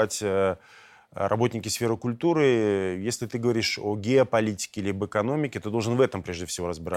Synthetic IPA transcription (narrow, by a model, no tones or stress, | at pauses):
atʲə | rʔɐ̰bo̞tʲnʲɪkʲɪsfʲeɾɨkʊlʲt̪uɾɨjesʲlʲɪt̪ɨɡəvɐɾʲiʂoɡʲɪəpɐlʲitʲɪ̥kʲɪlʲibəɪkɐno̞mʲɪkʲɪt̪ɨd̪oʐɨnvɛt̪əmpɾʲe̞ʐdʲɪfsʲɪvo̞ɾəzbʲɪɾa